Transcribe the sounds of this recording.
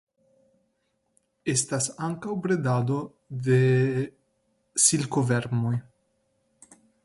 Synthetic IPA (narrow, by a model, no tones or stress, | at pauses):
est̪asaŋkawbɾed̪ad̪o | d̪e | silkoveɾmoj